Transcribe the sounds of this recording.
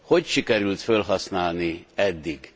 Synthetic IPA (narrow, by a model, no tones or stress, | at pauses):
ho̞cʃikɛɾylt̪følɦɒsnaːlniɛd̪ːiɡ